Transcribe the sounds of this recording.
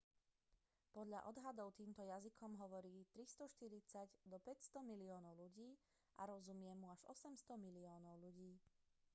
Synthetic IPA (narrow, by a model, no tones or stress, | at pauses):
pɔd̪ʎa̰ʔɔd̪ɦad̪ɔʊt̪iːmt̪ɔjazikʰɔmɦɔʋɔɾiːt̪ɾist̪ɔʃt̪iɾit͡saɟd̪ɔpɛcst̪ɔmiliɔːnɔʊluɟiː | ʔa̰ɾɔzumɪɛmːuaʒɔ̰sɛmst̪ɔmiliɔːnɔʊluɟiː